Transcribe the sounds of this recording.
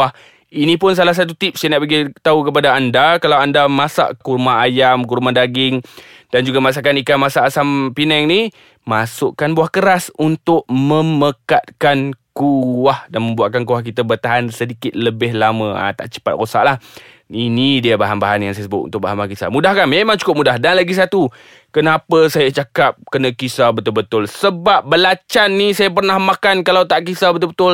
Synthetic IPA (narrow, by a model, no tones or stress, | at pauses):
ah | inĩpʊns̬alahs̬at̪̬ut̪ip̚sajanaʔpəɡit̪aukəp̬adaːndakalawandamasa̰ʔkurmaajamkuɾmadaɡɪŋ | d̥and͡ʒuɡamas̬akanikamasaʔːsampinɛŋni | masʊʔkanbuahkəɾasunt̪ʊʔ̚məmməkat̪̚kankuwahdanməmbuaʔ̚kank̬uahk̬it̪əbərt̪aɦansədikɪt̪̚ləbɪhlamə̃a̰t̪a̰ʔt͡ʃə̥pat̪̚rosa̰ʔlah | inidiəbaɦanbaɦanjaŋsajasəbʊt̪̚ṵnt̪ʊkbaɦanbakisa̰mudahkanmemaŋt͡ʃu̥kʊp̚mudahdanlaɡis̬at̪u | kənapəsajat͡ʃakap̚kənãkisabət̪ʊlbət̪ʊlsəbap̚bəlat͡ʃanːisajap̬ərnahmakankalawt̪aʔkisabət̪ʊlbət̪ʊl